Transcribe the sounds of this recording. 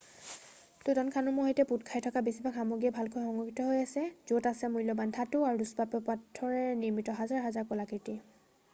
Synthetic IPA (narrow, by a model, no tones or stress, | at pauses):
tutankʰanʊmʊɦojtɛputkʰajtʰɔkabesibakamoɡiɛbʱalkʰojxɔŋɡɔkʰitɔɦojasɛzotasɛmujlɔbantʰatuaɹuduspapɔpatʰːɔɹɛniɹmitɔɦazaɹɦazaɹkɔlakiti